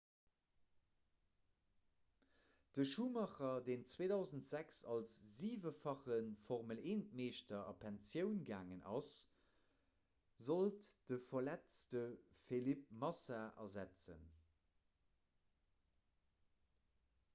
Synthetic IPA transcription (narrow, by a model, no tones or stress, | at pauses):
d̥əʃuːmɑχɐdeːnt͡sweːdɑʊzəntz̥æksɑlsziːvəfɑχənfɔʁməleːnt̚meːʃtɐʔɑ̰pʰænsjəʊnɡaːŋənʔɑs | zoltd̥əfɐlæt͡stəfelip̚mɑsaʔɐ̰zæt͡sə̰n